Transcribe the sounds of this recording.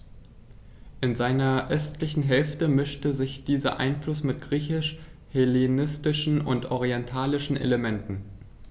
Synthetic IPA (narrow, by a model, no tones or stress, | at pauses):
ʔɪnzaɪnɐʔœstʰlɪçn̩ɦɛlftəmɪʃtəzɪçd̥iːzɐ̰ʔa̰ɪnflʊsmɪt̚ɡ̥ʁiːçɪʃ | helenɪstɪʃn̩ʊ̰ntʔɔʁiɛntʰaːlɪʃn̩ʔḛləmɛntn̩